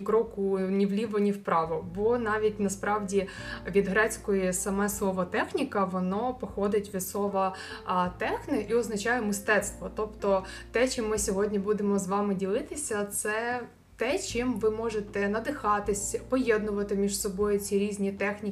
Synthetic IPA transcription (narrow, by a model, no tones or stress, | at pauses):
kɾɔkʊnʲiʋlʲiʋɐnʲiwpɾɑʋɔbɔnɑʋʲitʲnɐspɾɑwdʲiʋʲid̪ɦɾɛt͡sʲkɔjisɐmɛslˠɔʋɔt̪ɛxnʲikɐʋɔnɔpɔxɔd̪ɪtʲʋʲisɔʋɐt̪ɛxnɪʔiɔznɐt͡ʃɑjʊmɪst̪ɛt̪st̪ʋɔt̪ɔpt̪ɔt̪ɛt͡ʃɪmːɪsʲɔɦɔdʲnʲibud̪emɔzʋɑmɪdʲilˠɪt̪ɪsʲɐt̪sɛ | t̪ɛt͡ʃɪmʋɪmɔʒet̪ɛnɐd̪ɪxɑt̪ɪsʲpɔjɛd̪nʊʋɐt̪ɪmʲiʃsɔbɔjʊt͡sʲiɾʲizʲnʲit̪ɛxnʲi